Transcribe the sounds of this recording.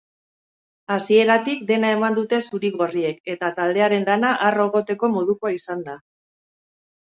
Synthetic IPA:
asie̞ɾat̪ikd̪e̞nae̞mand̪ut̪e̞suɾiɣo̞rie̞ke̞t̪at̪ald̪e̞aɾe̞nlanaʔaro̞ɣ̞o̞t̪e̞ko̞mo̞ðuko̞aisand̪a

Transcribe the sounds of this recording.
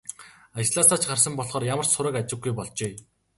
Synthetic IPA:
at͡ɕɮaːsaːt͡ɕɢarsə̆mpɔɮχɔːrjamə̆rt͡ɕsʊɾə̆kat͡ɕɪ̆ɡɡujpɔɮt͡ɕeː

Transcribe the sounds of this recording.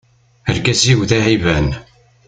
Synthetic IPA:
əɾkæziwðæʕivæn

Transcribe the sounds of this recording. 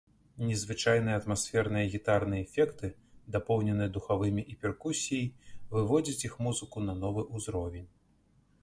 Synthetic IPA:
nʲɛzvɨt͡ʂajnɨjɐɐt̪masʲfʲɛrnɨjɐɣʲit̪arnɨjɛɛfʲɛkt̪ɨd̪apɔwnʲɛnɨjɐd̪uxavɨmʲiʔipʲɛrkusʲijɐjvɨvɔd͡zʲit͡sʲixmuzɨkunɐnɔvɨʔuzɾɔvʲɛnʲ

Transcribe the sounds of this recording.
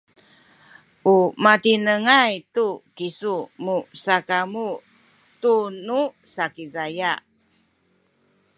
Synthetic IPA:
ʔumat̪inəŋajtukisumusakamu | t̪unusakizajaʔ

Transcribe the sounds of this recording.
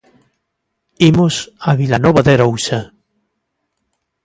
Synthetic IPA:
imosaβilanɔβaðeɾowsa

